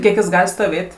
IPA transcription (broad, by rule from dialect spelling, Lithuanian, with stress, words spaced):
ˈkʲiɛk jɪs ˈɡɐlʲ stoːˈʋʲeːtʲ